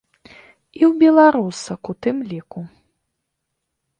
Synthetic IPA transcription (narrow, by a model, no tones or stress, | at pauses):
iwbʲɛlˠaɾusɐkut̪ɨmlʲiku